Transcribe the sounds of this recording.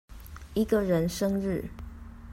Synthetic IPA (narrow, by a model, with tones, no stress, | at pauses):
i˧˦ɡə˧˨ɻə˧˦nʂɤ˥ŋɻɻ̩˥˨